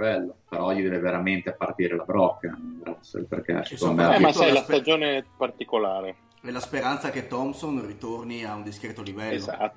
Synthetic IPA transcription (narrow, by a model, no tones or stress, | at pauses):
bɛlːopeɾɔʎid̪ɛːveveɾament̪epart̪iːɾelabɾɔkːabɾasḛlpḛrkɛ̰simɛmaajlast̪ad͡ʒoːnepart̪ikolaːɾe | ɛlaspeɾant̪sak̟et̪ːɔmsonrit̪orniaund̪iskɾeːt̪olivɛlːoa̰t̪ː